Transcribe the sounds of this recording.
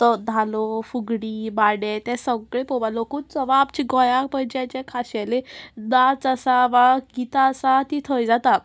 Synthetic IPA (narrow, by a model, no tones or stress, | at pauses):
t̪əd̪ʱalofuɡɽiːbaɽet̪ɛ̃səɡɭepoʋalokuːnt͡səʋaːpt͡ɕiɡɔjak̚pəjd͡ʑeãt͡ɕɛ̃kʰaɕaled̪at͡səsaʋaɡit̪asat̪it̪ʰəjd͡zat̪a